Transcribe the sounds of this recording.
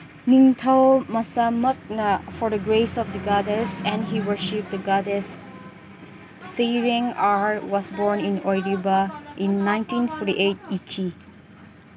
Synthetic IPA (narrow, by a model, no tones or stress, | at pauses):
nĩŋtʰawmasamək̚nafɔɹdəɡɹesɔfdəɡadəsɛ̃nɦiwəʃip̚d̪əɡadəs | iɹĩŋaɹwɔsbɔɹnĩnɔjɹibaʔĩnːãj̃ntĩnfɔɾḭʔet̚itʰi